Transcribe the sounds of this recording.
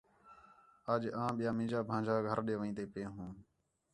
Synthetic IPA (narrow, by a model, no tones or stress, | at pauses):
aːd͡ʒãːɓɪjaːmĩːd͡ʒaːbʱãːd͡ʒaːɡʱəɾɗeːʋəĩːt̪eːpeːɦũː